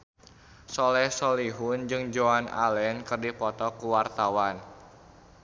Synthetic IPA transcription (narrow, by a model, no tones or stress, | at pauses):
sɔlɛhsɔliɦʊnd͡ʒɨŋd͡ʒoana̰lɛnkɨrdipɔt̪ɔkuwart̪awan